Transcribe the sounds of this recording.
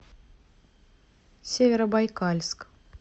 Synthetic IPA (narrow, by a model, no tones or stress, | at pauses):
sʲevʲeɾəbajkalʲsk